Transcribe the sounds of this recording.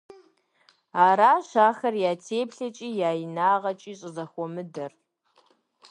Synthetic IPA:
aːɾaːɕaːxɐrjaːtʰeːpɬɐt͡ʃʼiːjaːjinaːʁɐt͡ʃʼiːɕʼɪzɐxʷɔmɨdɐr

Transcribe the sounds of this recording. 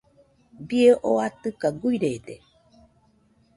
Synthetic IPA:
bieʔoat̪ɨkaɡuiɾed̪e

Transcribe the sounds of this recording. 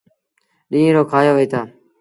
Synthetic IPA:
ɗĩːẽːɾoːkʰaːjoːʋəiːt̪ʰaː

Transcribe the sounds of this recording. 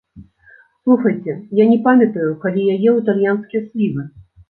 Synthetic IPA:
slˠuxɐjt͡sʲɛjanʲɛpamʲɐt̪ɐjukalʲijajɛut̪alʲjanskʲijɛsʲlʲivɨ

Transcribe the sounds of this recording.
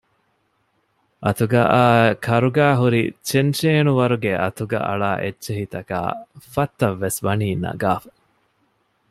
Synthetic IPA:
ʔɐt̪uɡaʔaːkʰɐɾuɡæːɦuɾḭt͡ʃenʃeːnuʋɐɾuɡeʔɐt̪uɡɐ̰ʔɐ̰ɭaːʔetːʃeɦit̪ɐka̰ːfɐt̪ːɐʋːesʋɐniːnɐ̰ɡaːfɐ̥

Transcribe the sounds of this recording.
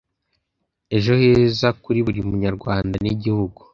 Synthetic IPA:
e̞ʒo̞hezakuɾiβuɾiumuɲaɾɡwaːndaniɟihuɡu̥

